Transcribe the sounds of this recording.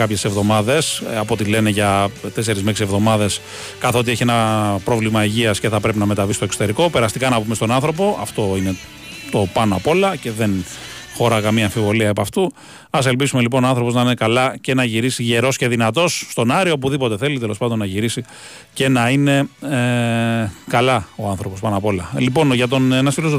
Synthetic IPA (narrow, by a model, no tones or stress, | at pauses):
kɐpçe̞se̞vðo̞mɐðe̞sɐpo̞t̪ile̞ne̞ʝɐt̪e̞se̞ɾizmeksie̞vðomɐðe̞s | kɐθoot̪ie̞çienɐpɾo̞vlimɐiʝiɐsce̞θɐpɾe̞pinɐme̞t̪ɐvisi̥t̪okso̥t̪e̞ɾiko̞pe̞ɾɐst̪ikɐnɐpume̞st̪o̞nɐnθɾo̞po̞ɐft̪o̞ine̞ | t̪o̞pɐnoɐpo̞lɐce̞ðe̞n | xoɾɐkɐmiɐːɱfivo̞liɐepɐft̪u | ɐse̞lpisume̞lip̬o̞noɐnθɾo̞po̞znɐine̞kɐlɐce̞nɐʝiɾisiʝe̞ɾo̞sce̞ðinɐt̪o̞sːt̪o̞nɐɾioop̬uðipo̞t̪e̞θe̞lit̪e̞lo̞spɐnd̪onɐʝiɾisi | ce̞nɐine̞ | kɐlɐoɐnθɾo̞po̞spɐnɐpo̞lɐlipo̞nʝɐt̪̬o̞nenɐsfilos̬